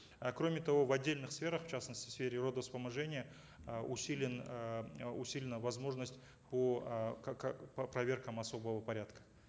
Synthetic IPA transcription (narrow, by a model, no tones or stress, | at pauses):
kɾo̞mʲɪt̪ɐvo̞vɐdʲːelʲnɨχsfʲe̞ɾəχft͡ɕasnəsʲtʲɪ̥sfʲeɾʲɪro̞d̪əspəmɐʐɛnʲɪjə | ʊsʲilʲɪn | ʊsʲilʲɪnəvɐzmo̞ʐnəsʲtʲ | pokkppɾɐvʲe̞rkəmɐso̞bəvəpɐɾʲat̪kə̥